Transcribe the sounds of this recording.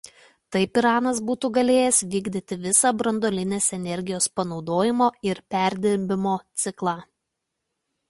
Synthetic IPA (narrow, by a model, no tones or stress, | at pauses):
t̪ɐɪpɪɾɑːnɐs̬buːt̪uːɡɐlʲeːjɛsʋʲiːɡd̪ʲɪt̪ʲɪʋʲɪsɑːbɾɐnd̪oːlʲɪnʲeːsɛnʲɛɾʲɡʲɪjoːspɐnɒʊd̪oːjɪmoːɪɾpʲæˑɾʲd̪ʲɪɾʲbʲɪmoːt̪sʲɪklˠɑː